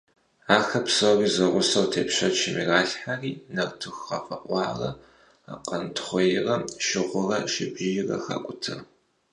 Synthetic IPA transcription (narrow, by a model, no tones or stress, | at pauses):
aːxɐpsoːriːzɐʁʷʊsɐwtʰeːpʃɐt͡ʃʰɪmiraːɬħariːnɐrtʰɨxːɐ̰fɐqʷʼɑːrɐ | a̰qʼɐntʰχʷɔjɪrɐʃɪʁʷʊrɐʃɪbʒɪjɪrɐ̰xa̰ːkʷʼʊtʰɨr